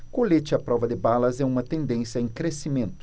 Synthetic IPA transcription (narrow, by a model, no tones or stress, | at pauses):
kolet͡ʃɪɐpɾɔvɐd̪ɪbalɐzɛũmɐt̪ẽnd̪ẽsjɐẽj̃kɾesimẽnt̪ʊ̥